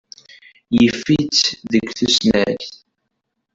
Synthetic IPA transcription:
jəfːit͡sðəɡʷːθusnæɾθ

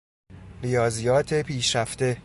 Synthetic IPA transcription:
ɾijɒːzijɒːt̪ʰe̞pʰiːʃɾæft̪e̞

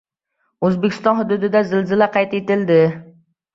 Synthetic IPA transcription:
øzbɪkʲʰːɪst̪ɑnhyd̪ud̪ɪd̪ɛzɪlzɪlɛqʰɑjt̪et̪ɪld̪ɪ

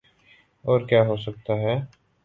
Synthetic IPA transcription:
ɔːɾkjaːɦoːs̬ək̚t̪aɦɛː

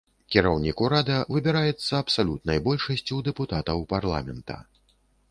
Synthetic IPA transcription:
kʲiɾawnʲikuɾad̪ɐvɨbʲɛɾajɛt̪sːɐɐpsalʲut̪̚nɐjbɔlʲʂɐsʲt͡sʲuwd̪ɛput̪at̪ɐwparlˠa̰mʲɛnt̪ɐ̰

